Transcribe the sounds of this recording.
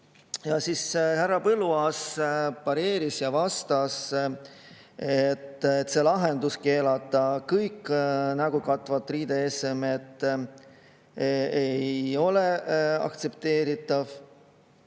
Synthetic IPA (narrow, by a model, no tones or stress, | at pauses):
jɑsishærːɑpɤluɑspɑɾe̞ːɾisjɑvɑst̪ɑs | et̪ːt̪ːˑse̞lɑɦe̞nd̪̥uske̞ːlɑt̪ˑːɑkɤjkːnɑɡ̥ukɑt̪ːˑvɑt̪ːˑriːd̪̥e̞esemet̪ː | ejjo̞le̞ɑ̰kt̪se̞p̚t̪e̞ːɾit̪ːˑɑv